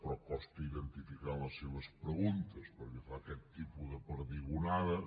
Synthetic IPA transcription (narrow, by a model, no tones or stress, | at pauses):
pɾɔpɔst̪əiðənt̪ifikaɾləsːeβəspɾəɣunt̪əspəɾkefakɛt̪ːipuðəpəɾðiɣunaðɐ